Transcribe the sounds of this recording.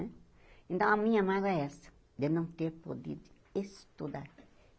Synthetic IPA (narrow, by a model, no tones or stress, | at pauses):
ɛ̃ | ẽnt̪ɐ̃w̃ɐmĩɲɐamaɡɛɛsɐ̥ | d̪ɪnɐ̃w̃t̪eɾpod̪ḭd̪ʊ | est̪ud̪aɾ